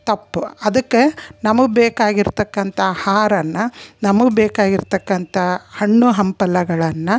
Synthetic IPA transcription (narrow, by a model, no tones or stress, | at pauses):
t̪ɐpːuɐd̪ɐkːenɐmɐɡubeːkaːɡiɾt̪ɐkːɐnt̪ʰɐhaːɾɐnːɐnɐmɐɡbeːkaːɡiɾt̪ɐkːɐnt̪ʰɐhɐɳːuɦɐmpɐlɐɡɐɭɐnːɐ